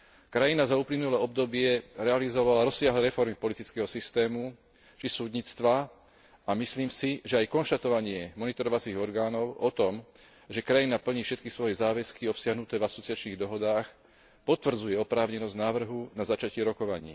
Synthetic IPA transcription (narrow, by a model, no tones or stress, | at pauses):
kɾajinazauːplinulɛːɔb̚d̪ɔbɪɛɾɛalizɔʋalaɾɔsːɪaɦlɛːɾɛfɔɾmipɔlit̪it͡skɛɦɔsist̪ɛːmu | t͡ʃisuːd̪ɲit͡st̪ʋa | amisliːmsiʒɛajkɔnʃt̪at̪ɔʋaɲɪɛmɔnit̪ɔɾɔʋat͡siːɣɔɾɡaːnɔʊɔt̪ɔm | ʒɛkɾajinapl̩ɲiːfʃɛt̪̚kisʋɔjɛzaːʋɛskiɔpsɪaɦnut̪ɛːvasɔt͡siɪat͡ʃniːɣd̪ɔɦɔd̪aːx | pɔt̪ʋr̩d͡zujɛɔpɾaːʊɲɛnɔznaːʋr̩ɦunazat͡ʃacɪɛɾɔkɔʋaɲḭː